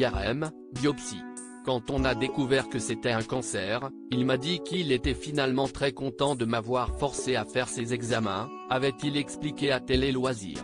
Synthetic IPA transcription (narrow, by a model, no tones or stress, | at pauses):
ɛʁɛm | d̪jɔpsḭ | kɑ̃t̪ɔ̃nad̪ekuvɛʁkəset̪ɛɛ̃kɑ̃sɛʁ | ilmad̪ikilet̪ɛfinalmɑ̃t̪χɛkɔ̃t̪ɑ̃d̪əmavwaʁfɔʁseafɛʁsezɛɡzamɛ̰̃ | avɛt̪ilɛksplikʲeat̪ɛlelwazḭːʁ